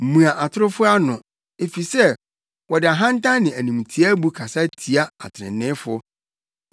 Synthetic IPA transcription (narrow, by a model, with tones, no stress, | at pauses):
m̩˨mũ˨a˨ʔa˨tʰʊ˦ɾʊ˦fʊ˦a˦nʊ̃˨ | e˨fi˨sɛ˦ | wɔ˨dɪ˨a˨ɦã˦n̩˦tʰã˦nɪ̃˨æ˨nũ˨m˨tʰi˦a˦bu˦kʰa˨sa˦tʰi˨a˦a̰˨tʰɪ˨ɾɪ̰̃˨nnɪ̃˦fʊ˦